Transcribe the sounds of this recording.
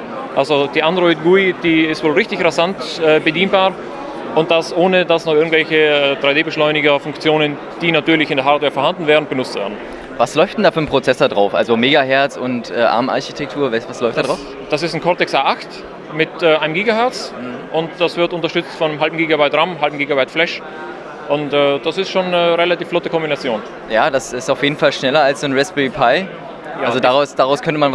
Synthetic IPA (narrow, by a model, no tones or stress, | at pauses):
ʔalzod̥iːʔandʁɔʏtɡ̥uid̥iːɪstvoːlʁɪçtɪçʁazantɛːbədiːnbaːʁ | ʊnt̚d̥asʔoːnədasnɔχʔɪɐɡŋ̩tvɛlçəɛd̥ʁaɪdeːbəʃlɔʏnɪɡɐfʊŋkt͡sjoːnən | d̥iːnatyːɐlɪçɪndeːɐɦaːɐtveːɐfɛɐhandn̩vɛːʁən̩b̥ənʊt͡stv̥ɛ̰ːɐdn̩ | vaslɔʏfd̥ɛndaːfyːɐnpʁ̥ot͡sɛsɐdʁaʊfʔa̰lzomeːɡaɦɛɐt͡sʊntʔɛːʔa̰ɐma̰ɐçitʰɛk̚tʰuːɐvɛsvaslɔʏftd̥aːdʁaʊf | d̥asɪstn̩kʰɔɐtɛksaːʔaxt | mɪtɛːʔaɪnəmɡiːɡahɛɐt͡sʔʊntd̥asv̥ɪɐtʊntɐʃtʏt͡stfɔnəmɦalbm̩ɡiːɡabaɪtʁamɦalbm̩ɡiːɡabaɪtflɛʃ | ʔʊntɛd̥asɪstʃoːnːəʁelatiːflɔtəkʰɔmbinat͡sjoːn | jaːdasɪstaʊfjeːdn̩falʃnɛlɐalsz̥oːnʁɛspipʰaɪ | alzodaʁaʊsd̥aʁaʊskʰœntəman